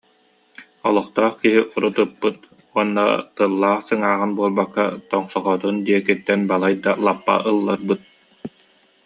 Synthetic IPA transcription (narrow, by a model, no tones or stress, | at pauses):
ɔlˠɔχt̪ɔːχkiɦiʔuɾut̪ɯpːɯt̪̚ | uɔnːa̰t̪ɯlˠːaːχsɯŋaːʁɯnbuɔlˠbakːat̪ɔŋsɔʁɔt̪und̪iɛkit̪ːɛnbalˠajd̪alˠapːa̰ʔɯlˠːaɾbɯt̪̚